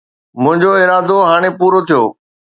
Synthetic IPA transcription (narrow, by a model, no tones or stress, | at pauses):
mʊ̃ɦɪ̃ɲd͡ʑoɪɾaːd̪oɦaːɽ̃epuːɾot̪ʰijoː